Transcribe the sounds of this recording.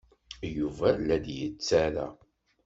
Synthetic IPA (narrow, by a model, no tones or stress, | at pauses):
juvælːæd̪jət͡sːæɾæ̰